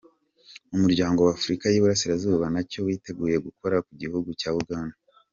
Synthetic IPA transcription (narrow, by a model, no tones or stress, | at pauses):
umuɾɟaːŋɡo̞waːfuɾikajiβuɾasiɾazuːβanaco̞wiːte̞ɡuːje̞ɡuko̞ɾakuɟihuɡucaːβuɡaːna